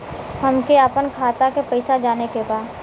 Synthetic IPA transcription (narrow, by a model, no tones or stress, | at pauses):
hɐmkeapənkʰaːt̪akepɐɪsad͡ʒaːnekebaːd̪